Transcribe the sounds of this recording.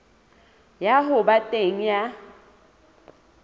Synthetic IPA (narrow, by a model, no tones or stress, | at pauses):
jaɦʊbatʼeŋ̩ja